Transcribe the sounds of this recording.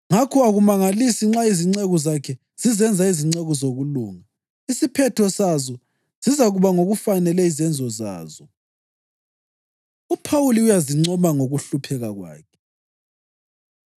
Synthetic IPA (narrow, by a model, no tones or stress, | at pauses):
ŋakʰɔaɣumaŋalisiŋ͡ǁaiziŋ͡ǀeɣɔzakʰɛ | z̥izɛnd͡zʱaiziŋ͡ǀeɣɔzoɣulṵːŋa | isipʰɛtʰɔsazɔ | z̥izaɣuβaŋoɣufanɛlɛizɛnd͡zʱɔza̰ːzɔ | upʰawuliujaziŋ͡ǀɔmaŋoɣuɬupʰɛɣaɣwa̰ːkʰɛ̥